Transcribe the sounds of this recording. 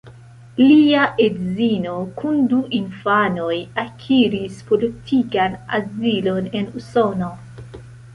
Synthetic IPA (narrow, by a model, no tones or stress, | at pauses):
liaʔedzino̞kunduʔinfano̞jakʰiɾispo̞litʰikana̰zilo̞ne̞nuso̞no̞